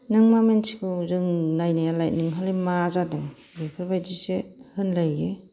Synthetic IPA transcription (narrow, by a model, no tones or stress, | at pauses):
nɯŋmamensi̥kʰɯzɯŋnajnajalajt̚nɯŋɦalimazadɯŋ | bepʰɯɾbajzisehɯnlajːe